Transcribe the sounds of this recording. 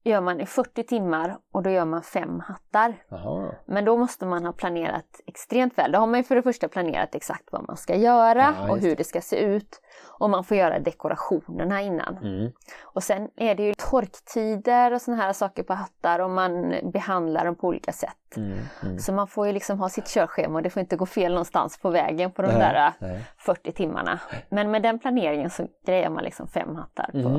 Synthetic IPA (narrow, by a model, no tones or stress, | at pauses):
jœːɾmanɪfœʈːɪt̪ʰɪmːaɾɔd̪ɔjœːɾmanfɛmːhat̪ːaɾ | mɛnd̪ɔmɔst̪əmanɦɑːpʰlaneːɾa̰t̪ɛkst̪ɾeːmt̪vɛːld̪ɔhaɾmanjɵfœɖɛfœʂʈapʰlanḛːɾa̰t̪ɛksa̰kt̪va̰mʔa̰nskajœːɾaɔɦɵɖɛskasḛːʉ̟ːt̪ | ʔɔmanfoːɾjœːɾa̰d̪ɛkʊɾa̰ɧuːnəɳaɪnːa̰n | ɔsɛnʔæɖɛjɵt̪ʰɔɾkt̪ʰiːd̪əɾɔsɔnaɦæːɾasɑːkəɾpʰɔɦat̪ːaɾɔmːanbɛhand̪la̰ɖɔmpʰɔuːlḭːkasɛ̰t̪ːsɔmanfoːjɵlɪksɔmɦɑːsɪt̪ɕœːɾɧeːmɔd̪ɛfoːɾɪnt̪əɡoːfeːlnɔnst̪a̰nspʰɔvɛ̰ːɡənpʰɔd̪ɔmd̪æːɾafœʈːɪt̪ʰɪmːa̰ɳa̰mɛnmɛd̪ɛnpʰlaneːɾɪŋənsɔɡ̥ɾɛjːa̰ɾmanlɪksɔ̰mfɛ̰mːhat̪ʰːa̰ɾpʰɔ̰